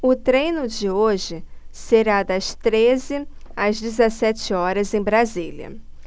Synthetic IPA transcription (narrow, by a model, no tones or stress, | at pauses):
ʊt̪ɾẽjnʊd͡ʒɪoʒɪseɾad̪ɐst̪ɾezɪɐzd͡ʒɪzesɛt͡ʃɪɔɾɐzẽj̃bɾazilʲɐ̰